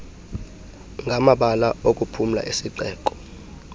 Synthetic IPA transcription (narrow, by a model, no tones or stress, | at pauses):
ŋɡʱamaɓalaokʼupʰum̩la̰ʔesiǃɛːk̬ʼɔ̥